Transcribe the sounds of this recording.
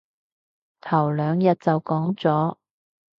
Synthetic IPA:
t̪ʰɐ˨˩wlœː˨˧ŋjɐ˨t̚t͡sɐ˨wkɔː˨˥ŋt͡sɔː˨˥

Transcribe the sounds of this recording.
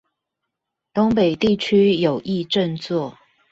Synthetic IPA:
t̪ʊ˥ŋpe˨˩ɪt̪i˥˩t͡ɕʰy˥jo˨˩ʊʔi˥˧ʈ͡ʂə˥˧nt͡swɔ˥˩

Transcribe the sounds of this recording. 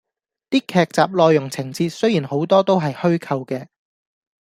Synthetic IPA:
t̪iː˥kʰɛː˧k̚t͡saː˨p̚lɔː˨˧jːʊ˨˩ŋt͡sʰɪ˨˩ŋt͡siː˧t̚sɵ˥ɥjiː˨˩nho˨˥wt̪ɔː˥t̪o˥wɦɐ˨jhɵ˥ɥkʰɐ˧wkɛː˧

